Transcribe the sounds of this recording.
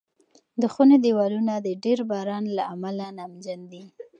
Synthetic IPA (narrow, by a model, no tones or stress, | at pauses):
d̪əxuned̪ewɑlunad̪əɖeɾbɑɾɑnlaamalanamd͡ʒand̪i